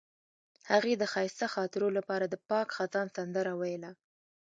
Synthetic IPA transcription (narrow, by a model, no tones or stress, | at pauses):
haɣed̪əxɑjst̪axɑt̪ɪɾolapɑɾad̪əpɑkxat̪ɑnsand̪əɾawajla